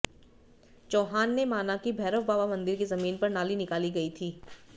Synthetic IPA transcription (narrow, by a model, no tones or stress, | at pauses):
t͡ʃoːɦaːnːemaːnakibʱɛːɾəʋbaːbamɐ̃nd̪ɪɾkizɐmiːnpɐɾnaːlinɪkaːliɡɐit̪ʰiː